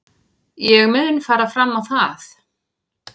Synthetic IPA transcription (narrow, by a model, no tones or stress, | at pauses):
jɛɣmʏðʏnfaːɾafɾamːawθaθ